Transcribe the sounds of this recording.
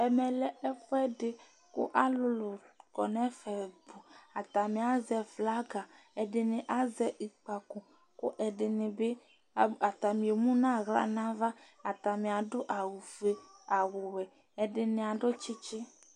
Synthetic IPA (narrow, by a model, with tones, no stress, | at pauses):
ɛ˨mɛ̃˨lɛ˨ɛ˦fo˦ɛ˦ɖe˨ | kʊ̰˦ʔa˨˦lʊ˨lo˨kɔ̰˨nɛ̃˦fɛ˨bo˨a˨t̪a˨mĩ˨a˨zɛ˨fla˦ɡa˨ | ɛ˨ɖɪ˨nẽ˨ʔa˦zɛ˦ʔi˨k͡pa˨ko˨ | kʊ̰˦ʔɛ˨ɖɪ˨nɪ̃˨be˦˨ | a˨t̪a˨mĩ˨e˨mũ˦nã˦˨ɣla̰˦nã˦va˦ | a˨t̪a˨mĩ˨a˨ɖo˦ʔa˨wu˨ve˨a˨wo˨wɛ˨ | ɛ˨ɖɪ˨nẽ˨a˨ɖo˦t͡ʃi˦t͡ʃe˦